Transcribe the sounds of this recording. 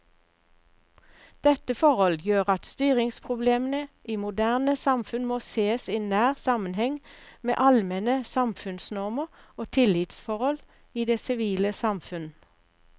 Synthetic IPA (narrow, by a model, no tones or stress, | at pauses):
d̪̥ɛt̪əfɔʁɔljøːʁɑt̪st̪yːʁɪŋspʰʁʊbleːmənəʔiːmʊd̪æːʁnəsɑmfʉnmoːseːsiːnæːʁsɑmənhɛŋmḛːʔɑlmɛnəsɑmfʉnsnɔʁməʁoːt̪ʰɪlɪt̪sfɔʁɔl | iːd̪eːsɪʋiːləsɑmfʉn